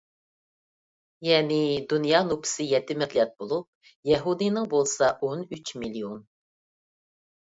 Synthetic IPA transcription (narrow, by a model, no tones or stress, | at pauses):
jɛːnɪd̪unjɑːnupʰɪ̥sɪjɛt̪ːɪmɛt̪lʲɛt̪̚bolˠup̚ | jɛɦud̪ijnɪŋbolˠsɑʔonyt͡ʃmilion